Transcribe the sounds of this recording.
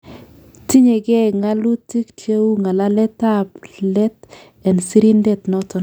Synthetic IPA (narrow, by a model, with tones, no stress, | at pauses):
ti˦ɲe˨ɡɛ˦ŋa˦lu˦ti˦ktje˦u˦ŋa˨la˦lɛ˦ta˦plɛ˦t | ɛ˨nsi˦ɾi˦ndɛ˦˨t̪nɔ˦tɔ˨n